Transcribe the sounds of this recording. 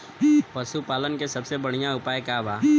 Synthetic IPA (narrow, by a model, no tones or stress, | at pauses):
pɐsupaːlənkesɐbsebɐɽ̤̃ijaʊpaːekaːbaː